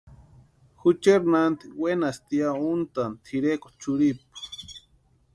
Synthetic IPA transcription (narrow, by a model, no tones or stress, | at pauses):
xut͡ʃeɾnant̪iwenast̪iaunt̪ant̪ʰiɾeko̥t͡ʃuɾipḁ